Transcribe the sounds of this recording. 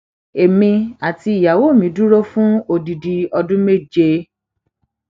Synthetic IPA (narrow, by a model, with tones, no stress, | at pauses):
e˨mĩ˧a˨ti˧˦i˨ja˨wo˦˨mĩ˨du˦ɾo˦fũ˦o˨di˨di˨ɔ˧dũ˦me˦˨d͡ʒe˦